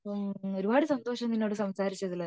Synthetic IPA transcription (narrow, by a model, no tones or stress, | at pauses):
oɾubaːɽɨsɐnd̪oːʂɐmt̪inːoːɽɨsɐmsaːɾit͡ɕːɐðilɐ